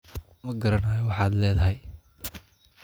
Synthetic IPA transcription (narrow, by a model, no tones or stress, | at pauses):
mɐɡɐɾɐnajɔwɑħɑːd̪lɛːðɐɦɛj